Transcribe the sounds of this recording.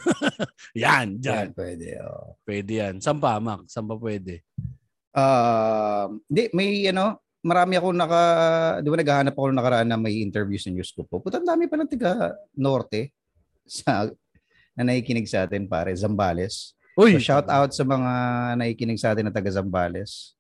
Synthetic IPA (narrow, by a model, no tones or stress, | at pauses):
jand͡ʒanpwɛd̪ɛ̰ʔo̰ːʔpwɛd̪ɛjansɐmpamak̚sɐmpɐpwɛːd̪ɛ | ʔaː | mɪnd̪ɛmɐjʔɐno̞ | mɐɾaːmɪɐkoŋnɐkɐ̰d̪ɪbanɐɡaːhaːnɐp̚ɐko̞nɐŋnɐkɐɾɐʔanːɐŋmɐjʔɪnt̪ɛɹvjusnɐŋjuskup̚opʊt̪ɐnd̪aːmɪpɐlɐŋt̪ɐɡɐno̞ːɾt̪ɛ | sɐ | nɐnɐhiːkɪnɪɡ̚sɐʔaːt̪ɪnpa̰ːɾɛzɐmbaːlɛs | ʔojʃawt̪awt̪̚sɐmɐŋanɐhiːkɪnɪɡ̚sɐʔaːt̪ɪnːɐt̪ɐɡɐzɐmbaːlɛs